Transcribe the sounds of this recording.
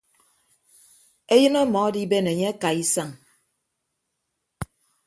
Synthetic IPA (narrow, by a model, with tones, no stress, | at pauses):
e˦jɨ˦nɔ˦mɔ˨˦di˦be˦ne˨ɲe˦a˦ka˨i˦sa˦˨ŋ